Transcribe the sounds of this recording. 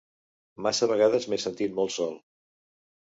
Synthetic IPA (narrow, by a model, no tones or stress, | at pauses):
masəβəɣaðəzmesənt̪it̪mɔlˠt̪sɔlˠ